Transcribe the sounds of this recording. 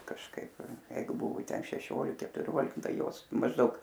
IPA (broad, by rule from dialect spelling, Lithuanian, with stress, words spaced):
kɐʃˈkɐɪp ˈjɛɪɡʊ ˈbʊʋʊ ˈtʲɛn ʃʲɛˈʃʲoːlʲɪk kʲɛtʊˈrʲoːlʲɪk ˈtɐɪ ˈjoːs mɐʒˈdɐʊk